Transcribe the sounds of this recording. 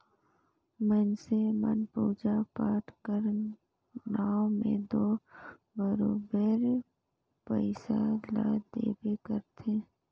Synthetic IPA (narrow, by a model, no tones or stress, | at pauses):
mənsemə̰npuːd͡ʒapaːʈkəɾ | naːomḛ̃d̪oː | bəɾoːbəɾ | pəɪsala̰d̪ḛːbekəɾt̪ʰeː